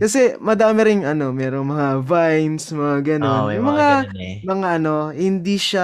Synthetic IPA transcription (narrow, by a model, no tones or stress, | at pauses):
kɐsɛmɐd̪aːmɪɾɪŋʔɐno̞mɛːɾo̞ŋmɐŋavajnsmɐŋaɡɐno̞njʊŋmɐŋa | mɐŋaʔɐno̞hɪnd̪iʃa